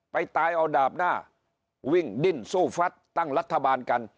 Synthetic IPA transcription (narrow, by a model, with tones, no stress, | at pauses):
pa˧jt̪aː˧jʔɔː˧˩daː˨˩p̚naː˥˩ | wi˧˥˩ŋdi˧˩nsuː˥˩fa˦˥t̪̚ːa˥˩ŋɾa˦˥t̪ʰːa˧baː˧nka˧n